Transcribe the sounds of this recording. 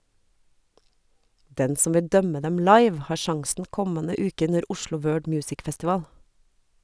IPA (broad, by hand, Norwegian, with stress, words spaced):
ˈdɛn ˈsʊm ˈʋɪ ˈdœmə ˈdɛm ˈlɑɪʋ ˈhɑːɾ ˈʃɑŋsn̩ ˈkɔmənə ˈʉːkə ˈʉnəɾ ˈʊʃlʊ ˈwɜːɖ ˈmjʉːsɪk fɛstɪˈʋɑːl